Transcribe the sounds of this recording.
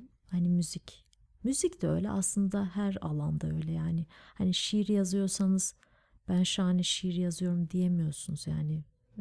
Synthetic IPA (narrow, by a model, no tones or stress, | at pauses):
hanimyzic | myzicd̪ɛø̞̰jlʲɛ̰ʔa̰slˠɯnd̪ahæɾa̰lˠand̪aø̞jlʲɛjaːnɪhaniʃiɾijazɯjo̞ɾsanɯz̥ | b̥ænʃuanɛʃiɾijazɯjo̞ɾumd̪ijemijo̞ɾsunuz̥jaːnɪ